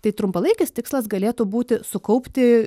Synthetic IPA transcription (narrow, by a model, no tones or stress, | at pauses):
t̪ɐɪt̪ɾʊmpɐlˠɐɪkʲɪst̪ʲɪkslˠɐsɡɐlʲeːt̪ʊbuːt̪ʲɪsʊkɐʊpʲt̪ʲɪ